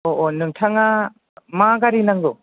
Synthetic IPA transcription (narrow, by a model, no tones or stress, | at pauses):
oʔonɯŋtʰaŋa | maɡaɾinaŋo